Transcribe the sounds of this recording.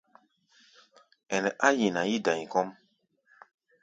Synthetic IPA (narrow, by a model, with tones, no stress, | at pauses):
ɛ˨nɛ˨ʔa˦ji˨na˨ji˦dã˨ɲi˨kɔ˦m